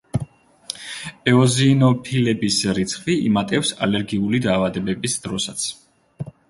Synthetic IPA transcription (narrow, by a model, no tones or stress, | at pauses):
ɛɔziːnɔpʰilɛbisɾit̪sʰχviḭmat̪ʼɛfsa̰lɛɾɡiulid̪aːvad̪ɛbɛbisd̪̥ɾɔsat̪sʰ